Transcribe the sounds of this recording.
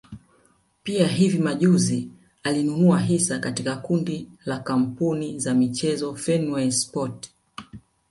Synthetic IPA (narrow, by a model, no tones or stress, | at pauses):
piaɦivimaʄuzi | alinunuaɦisakatikakundilakam̩punizamit͡ʃɛzɔfɛnuɛspɔt